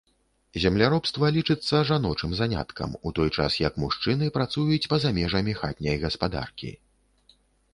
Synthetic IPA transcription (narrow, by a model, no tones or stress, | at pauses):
zʲɛmlʲaɾɔpst̪vɐlʲit͡ʂɨt̪sːɐʐanɔt͡ʂɨmzanʲa̰t̪kʰɐ̰mut̪ɔjt͡ʂa̰sjɐkmuʂt͡ʂɨnɨpɾat̪sujut͡sʲpɐzamʲɛʐɐmʲixa̰t̪̚ʲnʲɐjɣɐspad̪a̰rkʲḭ